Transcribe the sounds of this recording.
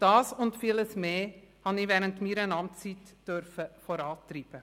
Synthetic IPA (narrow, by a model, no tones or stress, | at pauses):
d̥ɑːsʊntfiːləsmeːhɑnɪvɛːɾəntmiːɾənɑmt͡sitd̥øɾfəfɔɾɑːtɾiːb̥ə